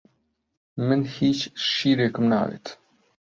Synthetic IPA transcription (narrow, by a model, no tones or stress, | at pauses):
mənhit͡ʃʃiɾɛkəmna̰ɾḭt̪